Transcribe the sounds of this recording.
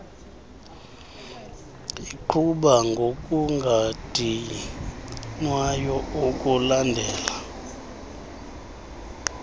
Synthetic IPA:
iǃʰuɓaŋɡʱokʼuŋɡʱatʼi | nwajɔokʼulandʱɛːla

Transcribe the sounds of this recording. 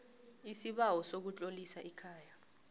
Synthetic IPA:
isiɓawɔsok̬ut͡ɬʼolisaʔikʰaːja

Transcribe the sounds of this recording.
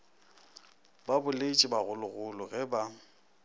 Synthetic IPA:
babʊlet͡ʃʼɪbaɣʊlʊɣʊlʊɣɛba

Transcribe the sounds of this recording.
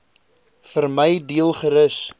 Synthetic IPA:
fərməjdiəlˠχəɾəs

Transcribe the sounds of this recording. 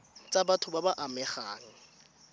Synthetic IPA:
t͡sʼabatʰʊbabaʔamɛχa̰ːŋ̩

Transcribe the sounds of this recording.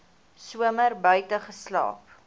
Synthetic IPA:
suəmərbœɥtəχəslɑ̰ːp

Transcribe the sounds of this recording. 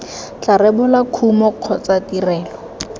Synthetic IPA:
t͡ɬaɾɛbʊlakʰumɔq͡χʰɔt͡satirɛːlɔ

